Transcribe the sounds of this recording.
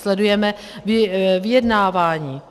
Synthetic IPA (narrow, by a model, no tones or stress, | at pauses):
slɛdujɛmɛ | vɪvɪjɛdnaːvaːɲiː